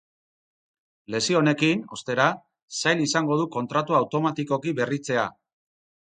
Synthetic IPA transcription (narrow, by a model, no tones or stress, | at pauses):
le̞sio̞ne̞kino̞st̪e̞ɾa | sajlisaŋɡo̞ð̞uko̞nt̪ɾat̪uawt̪o̞mat̪iko̞kiβe̞rit͡se̞a̰